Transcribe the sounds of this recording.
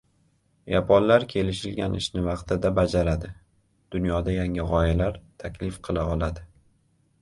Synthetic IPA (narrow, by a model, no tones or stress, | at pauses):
japʰɒllaɾkʲʰe̞lɪʃɪlɡʲanʔɪ̰ʃnɪvɑqt̪ɪd̪abad͡ʒaɾad̪ɪ | d̪̥ʊnjɒd̪ajaŋɪʁɒjalaɾt̪ʰakʲʰlɪfqʰɨlˠaɒlˠad̪ɪ